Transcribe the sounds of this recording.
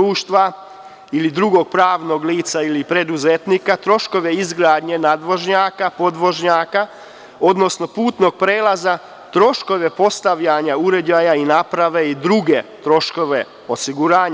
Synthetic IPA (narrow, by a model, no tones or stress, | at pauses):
uːʃt̪ʋa | ilid̪ɾuɡo̞ɡ̚pɾaːʋno̞ɡliːt̪sailipɾe̞d̪uzet̪nikat̪ɾo̞ʃko̞ʋe̞izɡɾaːd̪ɲe̞nad̪ʋo̞ʒɲaːkapo̞d̪ʋo̞ʒɲaːka | o̞d̪no̞sno̞puːt̪no̞ɡ̥̚pɾeːlaza | t̪ɾo̞ʃko̞ʋe̞po̞st̪aʋʎaɲauɾe̞d͡ʒajainapɾaʋe̞id̪ɾuɡe̞t̪ɾo̞ʃko̞ʋe̞ | osiɡuɾaːɲa